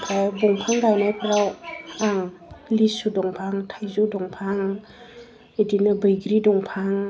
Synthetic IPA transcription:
pʰajbɔŋpʰaŋɡajnajpʰɾawaŋlisudɔŋpʰaŋtʰajzudɔŋpʰaŋ | edinabəjɡɾidɔŋpʰaŋ

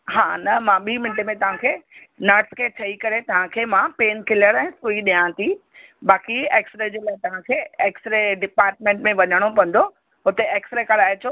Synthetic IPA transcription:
ɦaːnɐmãɓiːmɪ̃nʈemẽt̪ɐʋ̤ãkʰeːnɐːʈskʰeːt͡ɕʰɐikɐɾet̪ɐʋ̤ãkʰeːmãpeːnkɪləɽɛ̃ːsuiɗijãt̪ʰiɓaːkieːksɾed͡ʑeːlaːɦɪt̪ɐʋ̤ãkʰeːeːksɾeɖɪpaːɾʈmẽːɳʈmẽʋɐɲəɽ̃opɐ̃n̆d̪o | ɦʊt̪eeːksɾekɐɾaːɪt͡ɕʰoː

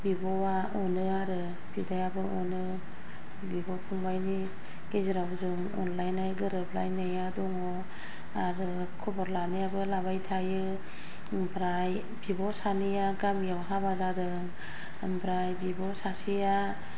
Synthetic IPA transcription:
bibɔwa | ɔnɯaɾɯ | bidajabɯɔnɯ | bibɔpʰuŋbajni | ɡ̥eziɾawzɯŋ | ɔ̰nlajnajɡɯɾɯplajnːajadɔŋɔ | aɾɯ | kʰɔbɔɾlanɯjabɯlabajtʰajɯ | mpʰɾaj | bibɔsanɯjaɡamjawɦabazadɯŋ | mpʰɾajbibɔsasija

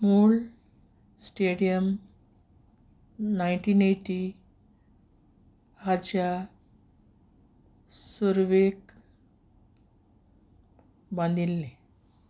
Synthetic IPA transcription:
muːɭ | sʈeɽijəm | najɳʈiːneʈi | hat͡ɕa | səɾʋek | bãnd̪ʱilːe

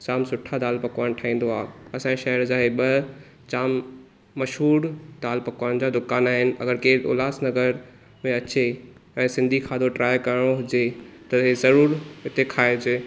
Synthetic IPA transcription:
t͡ɕaːmsʊʈʰad̪aːlpɐkʋaːnʈʰaːĩːn̆d̪oaːɐsãʃɐɦəɾd͡ʑaːɦeɓɐ | t͡ɕaːmː | ɐʃɦuːɾd̪aːlpɐkʋaːnd͡ʑad̪ʊkaːnaːɦɪnɪ̆ɐɡəɾkeːo̰ːlaːsnɐɡəɾ | mẽɐt͡ɕe | ɛ̃ːsɪ̃nd̪ʱikʰaːd̪oʈɾʔaːjkɐɾɽ̃oɦʊd͡ʑet̪ɐɦezɐɾuːɾɪt̪ekʰaːed͡ʑe

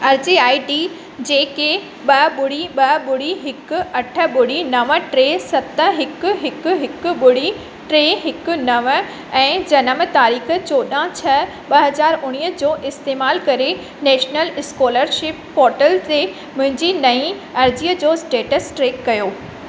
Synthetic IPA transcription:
ɐɾd͡ʑiaːiɖi | d͡ʑeːke | ɓɐɓʊɽ̤iɓɐɓʊɽiɦɪkʊ̆ɐʈʰə̆ɓʊɽinɐʋəʈɾeːsɐt̪əɦɪkʊ̆ɦɪkʊ̆ɦɪkʊ̆ɓʊɽi | ʈɾeːɦɪkʊ̆nɐʋə̆ | ɛ̃ːd͡ʑɐnəmə̆t̪aːɾiːxə̆t͡ɕoːɗãt͡ɕʰɐ | ɓɐɦɐzaːɾʊɽ̃iːəd͡ʑoːʔɪst̪eːmaːlkɐɾe | nɛːʃnəlɪskoːləɾʃɪpːɔːɾʈəlt̪e | mʊ̃ɦɪ̃ɲd͡ʑinɐĩ | ɐɾd͡ʑiːəd͡ʑoːsʈeːʈəsʈɾeːkːɐjoː

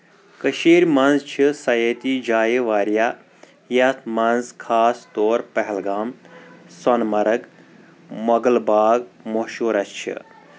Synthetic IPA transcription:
kəʃiːɾʲmɐnzt͡ʃʰisɐjet̪id͡ʒaːjiʋaːɾjaː | jɐt̪ʰmɐnzkʰaːst̪oːɾpɐɦɛlɡaːmsɔnmɐɾɐɡ | mɐɡəlbaːɡmoʃuːɾɐst͡ʃʰḭ

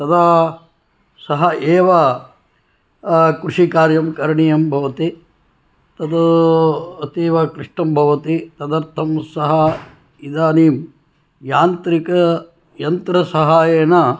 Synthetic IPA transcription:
t̪ɐd̪a | sɐɦɐeːʋɐ | kɾuʂikaːɾjɐmkɐɾɐɳijɐmbʱɐʋɐt̪i | t̪ɐd̪ɐ | ɐt̪iːʋɐkɾiʂʈɐmbʱɐʋɐt̪it̪ɐd̪ɐɾt̪ʰɐmsɐɦɐ | id̪aːniːm | jaːnt̪ɾikɐ | jɐnt̪ɾɐsɐɦaːjeːnɐ

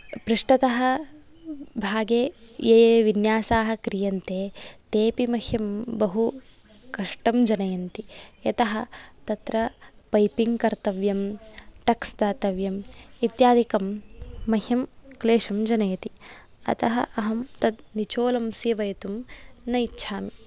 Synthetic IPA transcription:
pɾiʂʈɐt̪ɐɦɐ̆ | bʱaːɡeːjeːʋinjaːsaːɦɐ̆kɾijɐnt̪eːt̪eːpimɐhjɐmbɐɦu | kɐʂʈɐmd͡ʒɐnɐjɐnt̪ijɐt̪ɐɦɐ̆t̪ɐt̪ɾɐpɐjpiŋɡkɐɾt̪ɐʋjɐmʈɐksd̪aːt̪ɐʋjɐmit̪jaːd̪ʱikɐmːɐɦjɐmkleːʃɐmd͡ʒɐnɐjɐt̪i | ɐ̰t̪ɐɦɐ̰ʔɐɦɐmt̪ɐd̪nit͡ʃoːlɐmsiːʋɐjɐt̪umnɐjtːʃʰaːmi

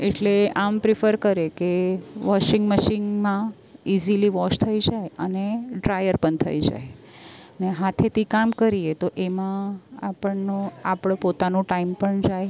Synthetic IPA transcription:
eʈleampɾifʰəɾkəɾekeʋɔʃɪŋɡməʃɪŋɡmã | iziliʋɔʃt̪ʰəid͡ʒajəneɖɾajəɾpəɳt̪ʰə̰id͡ʒa̰j | neɦat̪ʰet̪ikamkəɾiet̪oʔemãapəɳnoapəɳpot̪anũʈaimpəɳd͡ʒaj

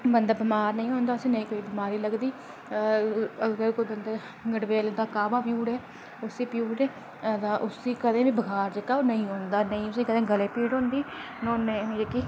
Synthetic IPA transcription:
bənd̪aːbɪmaːɾnəĩːɦõːnd̪aːʊsĩːnəĩːkoːiːbɪmaːɾiːləɡd̪iː | əɡəɾkoːiːbənd̪aː | ɡəɽʋeːld̪aːkaːbaːpjuːɽɦɛː | ʊsiːpjuːʈeː | t̪ãʔʊsiːkəd̪ẽːbiːbəɡʱaːɾd͡ʒəkːaːoːnəĩːɦoːnd̪aːnəĩːʊsiːkəd̪ẽːɡəleːpiːɽɦõːnd̪iː | noːnemiekiː

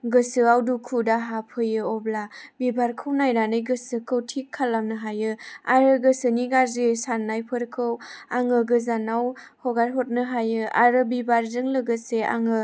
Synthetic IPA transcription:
ɡɯsɯawdukʰudaɦapʰɯjɯɔblabibaɾkʰɯwnajɾanɯjɡɯsɯkʰɯwtʰikʰːalamnɯɦajɯaɾɯɡɯsɯniɡaɾzesanːajpʰɯɾkʰɯwaŋɯɡɯzanaw | hɔɡaɾɦot̚nɯɦajɯa̰ɾɯbibaɾzɯŋlɯɡɯsea̰ŋɯ

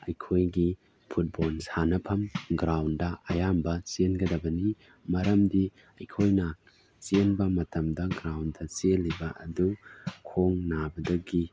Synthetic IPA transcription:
ɐjkʰojɡi | pʰut̚bolsanɐpʰɐmɡɾawndɐʔɐjambɐt͡ʃenɡɐdɐbɐni | mɐɾɐmdi | ɐjkʰojnɐ | t͡ʃenbɐmɐtɐmdɐɡɾawndɐt͡ʃelːibɐʔɐ̰dukʰoŋnabɐdɐɡi

